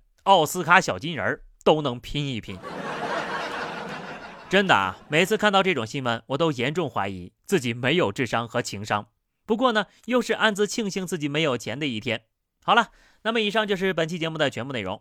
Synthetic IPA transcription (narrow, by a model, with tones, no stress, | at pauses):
ɑ˥˩ʊsɹ̩˥kʰa˥ɕjɑ˨˩ʊt͡ɕi˥nə̰˞˧˥t̪o˥ʊnɤ˧˥ŋpʰi˥ni˥˩pʰḭ˧˥n | ʈ͡ʂə˥nd̪ə̰˨˩me˨˩ɪt͡sʰɹ̩˥˧kʰa˥˧nt̪ɑ˥˧ʊʈ͡ʂɤ˥˩ʈ͡ʂʊ˨˩ŋɕi˥nmə̰˥˩nwɔ˨˩t̪̬o˥ʊjɛ˧˥nʈ͡ʂʊ˥˩ŋxwa̰˧˥ɪḭ˧˥t͡sɹ̩˥˩t͡ɕi˨˩me˧˥ɪjo˨˩ʊʈ͡ʂɻ̩˥˩ʂɑ˥ŋxɤ˧˥t͡ɕʰi˧˥ŋʂɑ˥ŋ | pu˧˥kwɔ˥˩nə˩ | jo˥˧ʊʂɻ̩˥˧ʔa˥˩nt͡sɹ̩˧t͡ɕʰi˥˧ŋɕi˥ŋt͡sɹ̩˥˩t͡ɕi˨˩me˧˥ɪjo˨˩ʊt͡ɕʰjɛ˧˥nd̪ə˧i˥˩t̪ʰjɛ˥n | xɑ˨˩ʊlə˦˧ | na˥˩mə˩i˨˩ʂ̬ɑ˥˧ŋt͡ɕjo˥˧ʊʂɻ̩˥˩p̬ə˨˩nt͡ɕʰi˥˩t͡ɕjɛ˧˥mu˥˧˩t͡sa˥˩t͡ɕʰɥɛ˧˥mpu˥˧e˥˩ɪʊ̰˧˥ŋ